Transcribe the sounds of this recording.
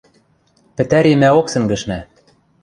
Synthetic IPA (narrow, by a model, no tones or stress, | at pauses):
pɘ̆t̪æɾemæoksɘ̆ŋɡɘ̆ʃnæ